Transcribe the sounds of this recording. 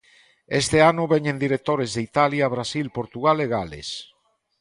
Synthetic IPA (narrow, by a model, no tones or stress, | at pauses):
est̪eanʊβeɲẽnd̪iɾek̚t̪oɾezðeit̪aljaβ̞ɾasilpoɾt̪uɣaleɣalḛs